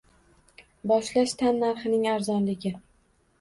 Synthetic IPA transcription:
bɒʃlaʃt̪ʰanːaɾχɪnɪŋaɾzɒnlɪɡʲɪ

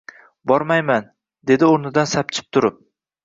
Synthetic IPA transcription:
bɒɾmajman | d̪e̞d̪ɪoɾnɪd̪ansap̚t͡ʃʰɪ̥p̚t̪ʰʊɾɪp̚

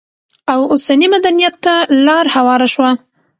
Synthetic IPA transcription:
awosanimad̪anijat̪ːalɑɾhawɑɾaʃwa

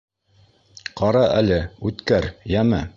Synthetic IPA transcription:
qɑɾɑʔælɘʉt̪kæɾjæmæ

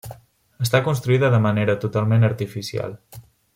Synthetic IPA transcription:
əst̪akunst̪ɾuiðəðəməneɾət̪ut̪alˠmenəɾt̪ifisia̰lˠ

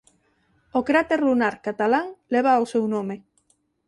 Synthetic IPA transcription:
okɾat̪eɾlunaɾkat̪alaŋleβ̞aːwsewnome

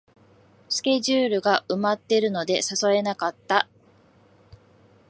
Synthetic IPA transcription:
sɨ̥kʲe̞ʑɨːɾɯ̟ɡaʔɯ̟mat̪ːe̞ɾɯ̟no̞d̪e̞sasoe̞nakat̪ːa

